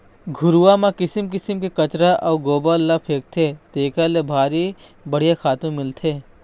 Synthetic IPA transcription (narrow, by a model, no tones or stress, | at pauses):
ɡʱʊɾuʋamãkɪsɪmkɪsəmkekɐt͡ʃɾaʔɐːɡoːbalːapʰeːk̚t̪ʰet̪eːkalebʱaːɾi | bɐɽ̤ijakʰaːt̪õmɪlt̪ʰeː